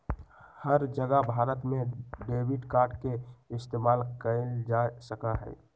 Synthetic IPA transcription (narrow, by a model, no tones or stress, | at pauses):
həɾd͡ʒəɡəbʱaːɾət̪mẽɖeːwɪɖkaːɾɖkeɪst̪eːmaːlkəd͡ʒasəkaɦɛ̰ː